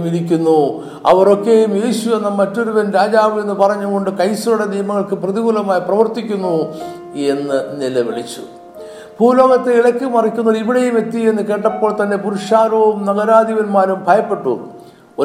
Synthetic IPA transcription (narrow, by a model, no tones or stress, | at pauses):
miɽikʲːunːu | ɐ̰ʋɐro̞kːe̞jumje̞ːɕue̞nːɐmɐtːo̞ɾuʋɐnɾaːd͡ʑaːʋɨe̞nːɨpɐrɐɲːuɣo̞ɳɖɨkɐjsɐluɽe̞nijɐmɐŋːɐɭkɨprɐðiɡulɐmaːjiprɐʋɐrt̪ikʲːunːu | e̞nːɨnilɐʋḭɭit͡ɕːṵ | bʱuːlo̞ːɡɐt̪ːeiɭɐkʲːumɐrikʲːuŋːɐɭiʋiɽejume̞t̪ːienːɨke̞ːʈːɐpːoːɭt̪ɐnːe̞puɾuʂaːɾoumnɐɣɐɾaːd̪ʱiʋɐnmaːɾumbʱɐjɐpːe̞ʈːṵːru | o